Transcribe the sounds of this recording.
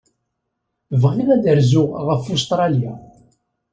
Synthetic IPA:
vʁniɣæd̪əɾzʊʁʁəfust̪ɾˤɑlja̰

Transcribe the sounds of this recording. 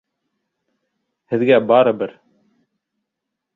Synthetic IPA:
hɪðɡæːbaːɾəbəɾ

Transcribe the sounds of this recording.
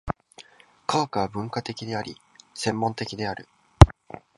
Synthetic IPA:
kʰaokɯβabɯ̟̃ŋkat̪e̞kʲid̪e̞aɾʲḭ | sẽ̞mːõ̞nt̪e̞kʲid̪e̞aɾɯ̟

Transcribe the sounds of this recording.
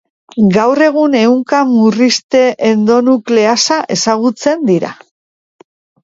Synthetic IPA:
ɡawre̞ɣ̞une̞uŋkamurist̪e̞ʔend̪o̞nukle̞asaʔe̞saɣ̞ut͡se̞nd̪iɾa̰

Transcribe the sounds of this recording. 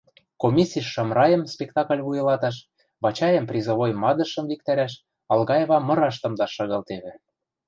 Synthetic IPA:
komʲisʲiʃːɑmrɑjə̆mspʲekt̪ɑkəlʲβujɤ̆lɑt̪ɑʃ | βɑt͡ɕɑjə̆mprʲizŏβojmɑd̪ɤ̆ʃə̆mvikt̪æɾæʃ | ɑlɣɑjeβɑmɤ̆ɾɑʃt̪ɤ̆md̪ɑʃɑɣɤlt̪eβɘ̆

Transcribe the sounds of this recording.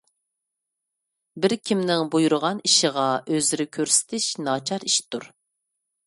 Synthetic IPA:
bɪɾkʲʰimnɪŋbujuɾʊʁɑniʃəʁɑʔøzɪɾɪkʲʰøɾsɪ̥t̪ʰɪʃnɑt͡ʃʰɑɾiʃt̪ʰuɾ

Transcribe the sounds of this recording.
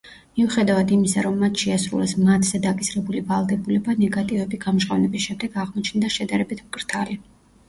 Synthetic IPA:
miuχɛd̪avad̪imisaɾɔmːat̪ʰʃɛasɾṵlɛsmat̪ʰz̥ɛd̪akʼisɾɛbulivalˠd̪ɛbulɛbanɛɡat̪ʼivɛbiɡamʒʁʼavnɛbisʃɛmd̪ɛɡaʁmɔt͡ʃʰnd̪aʃɛd̪aɾɛbit̪ʰmkʼɾt̪ʰali

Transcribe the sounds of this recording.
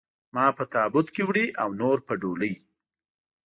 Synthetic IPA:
mɑpət̪ɑbʊd̪kewɽiʔawnoɾpəɖoləj

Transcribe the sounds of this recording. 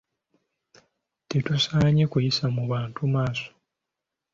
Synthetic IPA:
tetusaːɲe̞kujisamuβaːntumaːso̥

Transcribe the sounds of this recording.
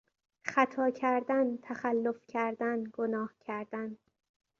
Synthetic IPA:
χæt̪ʰɒːcʰæɾd̪ænt̪ʰæxælːofcʰæɾd̪ænɡonɒːhcʰæɾd̪æn

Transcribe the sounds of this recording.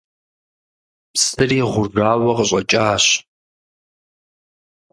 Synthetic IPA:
psɨriːʁʷʊʐaːwɐqəɕʷʼɐt͡ʃʼaːɕ

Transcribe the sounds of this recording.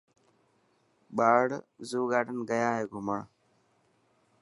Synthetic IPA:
ɓaːɽzuːɡaːʈənɡəjaːɦeːɡʱʊməɳ

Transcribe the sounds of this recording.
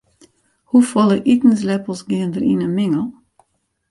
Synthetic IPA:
hufɔlˠəʔitn̩slɛpəl̩ˠsɡiəndəɾḭnənmɪŋəlˠ

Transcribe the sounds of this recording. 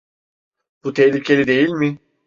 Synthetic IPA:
b̥ut̪ʰɛhlʲicʰe̞lʲid̪e̞jilʲmɪ

